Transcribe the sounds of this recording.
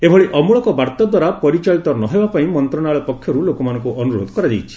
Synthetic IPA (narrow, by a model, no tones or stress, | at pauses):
ebʱɔɭiʔɔmuɭɔkɔbaɾt̪ɔd̪waɾapɔɾit͡ʃaɭit̪ɔnɔɦebapaĩmɔnt̪ɾɔnaɭɔpɔkʰːjɔɾulokɔmanɔŋkuɔnuɾo̰d̪ʱɔkɔɾad͡ʒajt͡ʃʰi̥